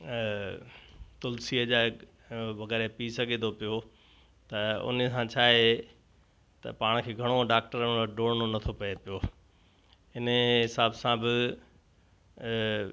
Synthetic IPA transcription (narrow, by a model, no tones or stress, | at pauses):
t̪ʊlsiːəd͡ʑaːɪ | ʋɐɣɛːɾepisɐɡʱẽt̪ʰopijo | t̪ɐʊ̰nəsãt͡ɕʰaːɦe | t̪ɐ̰paːɽ̃kʰeːɡʱɐɽ̃oɖaːk̚ʈəɾɖoːɽñonɐt̪ʰopɐepijo | ɪnɦɪsaːbsãbɪ